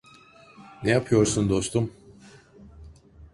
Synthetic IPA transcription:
nɛjapʰɯjo̞ɾsund̪o̞st̪ʰum

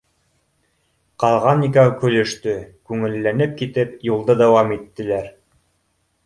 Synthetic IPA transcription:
qɑlˠʁɑnːikakɵ̆lɵ̆ʃt̪ɵkʉŋɘ̆lːænɘp̚kit̪ɘpjulˠd̪ɤd̪æwɑmit̪ːɘ̆læɾ

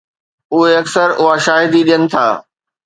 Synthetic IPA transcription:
ʊɦeɐksəɾʊɦaʃaːɦɪd̪iɗijənɪ̆t̪ʰa̰ː

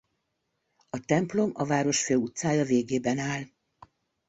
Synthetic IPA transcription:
ɒt̪ɛmplo̞mɒvaːɾo̞ʃføːut̪saːjɒveːɡeːbɛnaːl

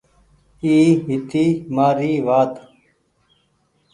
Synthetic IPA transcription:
iːɦit̪imaːɾiːʋaːt̪

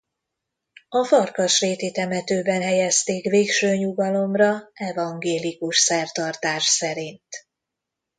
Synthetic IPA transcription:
ɒfɒrkɒʃreːt̪it̪ɛmɛt̪øːbɛnɦɛjɛst̪eːkveːkʃøːɲuɡɒlo̞mrɒɛvɒŋɡeːlikuʃsɛrt̪ɒrt̪aːʃsɛɾint̪

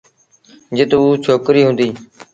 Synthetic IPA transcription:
d͡ʒɪt̪uːt͡ʃʰoːkɾiːɦʊ̃ːnd̪iː

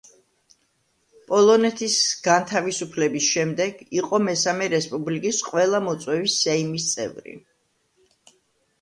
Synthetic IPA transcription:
pʼɔlˠɔnɛt̪ʰisɡ̥ant̪ʰavisupʰlɛbisʃɛmd̪ɛɡ̥iqʼɔmɛsamɛɾɛspʼublikʼisqʼwɛlˠamɔt̪sʼwɛvisɛimist̪sʼɛ̰vɾḭ

